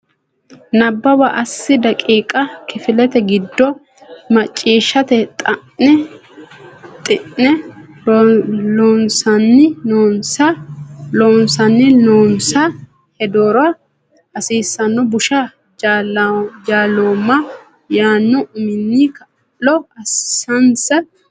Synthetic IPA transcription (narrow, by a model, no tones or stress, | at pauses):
nɐbːɐbɐʔɐsːɪd̪ɐkʼiːkʼɐkɪfɪlɛt̪ɛɡɪd̪ːɔ | mɐt͡ʃʼːiːʃːɐt̪ɛt̪ʼɐʔɛ | t̪ʼɪʔːɛ | loːnsɐnːɪnoːnsɐloːnsɐnːɪloːnsɐ | hɛd̪oːɾɔɐ | ɐsiːsːɐnːɔbʊʃɐ | ald͡ʒaːloːmːɐ | jaːnːɔʔʊmɪnːikɐ | lɔɐsɐnsɐ